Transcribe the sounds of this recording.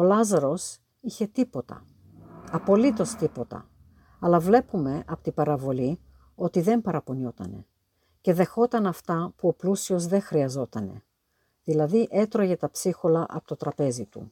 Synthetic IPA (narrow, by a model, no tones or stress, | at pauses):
o̞lɐzɐɾo̞s | içe̞t̪ipot̪ɐ̰ | ɐpo̞lit̪o̞st̪ipo̞t̪ɐ̰ | ɐlɐvle̞pume̞ʔɐpot̪ibɐɾɐvo̞li | o̞t̪iðe̞mpɐɾɐpo̞nio̞t̪ɐ̰ne̞̰ | ce̞ðe̞xo̞t̪ɐnɐft̪ɐpuo̞plusio̞zðe̞xɾiɐzo̞t̪ɐne̞̰ | ðilɐðiʔe̞t̪ɾo̞ʝet̪ɐpsixo̞lɐʔɐ̰pot̪o̞t̪ɾɐpe̞zit̪ṵ